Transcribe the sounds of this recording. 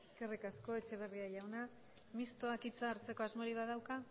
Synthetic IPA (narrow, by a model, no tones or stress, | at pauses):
eske̞rikasko̞e̞t͡ʃe̞β̞e̞riaʝawna | mist̪o̞akit͡saːɾt͡se̞ko̞azmo̞ɾiβ̞aðawka